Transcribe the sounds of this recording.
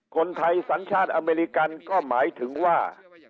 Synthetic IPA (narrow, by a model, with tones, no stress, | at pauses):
kʰo˧nt̪ʰa˧jsa˩˦nt͡ɕʰaː˥˩t̪̚ʔa˧meː˧ɾi˧˥ka˧nkɔː˥˩maː˩˦jt̪ʰɯ˩˦ŋwaː˥˩